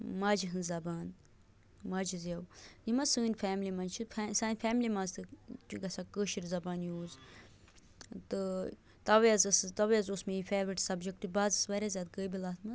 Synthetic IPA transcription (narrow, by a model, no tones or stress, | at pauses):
maːd͡ʒiɦɨnzɐbaːn | maːd͡ʒizjɐwjimɐsɨːnʲfʰɛːmlimɐnt͡ʃʰifsaːnʲfʰɛːmlimɐnzt̪ʰɨt͡ʃuɡɐsakəːʃiɾzɐbaːnjuːz | t̪ɨ | t̪ɐʋjɐzɐst̪ɐʋjɐzosmeifeːʋɾiʈsɐbd͡ʒek̚ʈɨbaːzɨsʋɐɾʲazjaːd̪̚ɡəjbilaːt̪ʰmɐ